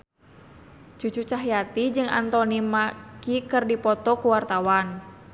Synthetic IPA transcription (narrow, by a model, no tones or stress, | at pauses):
t͡ʃut͡ʃut͡ʃaɦjat̪id͡ʒɨŋa̰nt̪ɔnimakikɨrdipɔt̪ɔkuwart̪awan